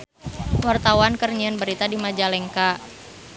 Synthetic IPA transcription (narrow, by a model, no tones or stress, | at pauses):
wart̪awankərɲianbəɾit̪adimad͡ʒalɛŋka